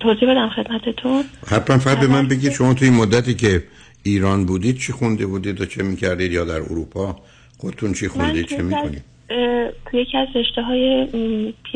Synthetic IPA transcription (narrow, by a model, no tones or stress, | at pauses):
t̪ʰoːziːbe̞d̪æmxe̞d̪mæt̪ʰet̪ʰunhæt̪ʰmænfæʁæd̪̚be̞mænbeɟiːd̪̥ʃo̞mɒːt̪ʰuinmod̪ːæt̪iːcʰe | iːɾɒːnbuːd̪iːd̪̥̚t͡ʃʰixund̪ebuːd̪iːd̪jɒt͡ʃʰemiːcʰæɾd̪iːd̪jɒːd̪æɾo̰ɾuːpʰɒː | xod̪et̪ʰunt͡ʃʰixuniːd̪t͡ʃemikonḭd̪̥ | t̪ʰujecʰiæzreʃt̪eɦɒːjepʰi